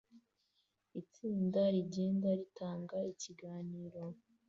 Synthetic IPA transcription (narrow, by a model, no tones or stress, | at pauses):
it͡siːndaɾiɟe̞ːndaɾitaːŋɡaiciɡaːniːɾo̞